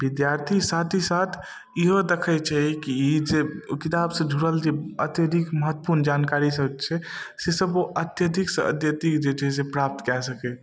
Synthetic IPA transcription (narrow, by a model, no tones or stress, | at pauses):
bid̪jaɾt̪ʰisat̪ʰisat̪ʰ | iɦod̪ekʰɛt͡ʃʰɛikiid͡ʒekit̪absə̃d͡ʒʱuɽəld͡ʒeət̪jəd̪ʱikməɦət̪ːəpuɾnd͡ʒankaɾisəbt͡ʃʰɛsesəboʔət̪jəd̪ʱiksə̰ə̰t̪jət̪ikd͡ʒed͡ʒʰɛs̬epɾap̚t̪kɛsəkɛ